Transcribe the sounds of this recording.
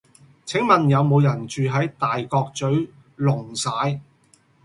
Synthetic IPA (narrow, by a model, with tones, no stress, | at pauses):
t͡sʰɪ˨˥ŋmɐ˨njɐ˨˧wmo˨˧wjɐ˨˩nt͡ʃyː˨ɦɐ˨˥jt̪aː˨jkɔː˧k̚t͡ʃɵ˨˥ɥ | lʊ˨˩ŋsaː˨˥j